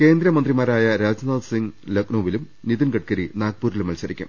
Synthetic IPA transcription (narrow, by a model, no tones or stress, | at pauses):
ke̞ːnd̪ɾɐmɐnd̪rimaːɾaːjɐɾaːd͡ʑɐnaːlsiŋɡlɐknoːʋilum | niðinɡɐʈ̚kɐɾinaːk̚puːɾilumɐlsɐɾikʲːṵm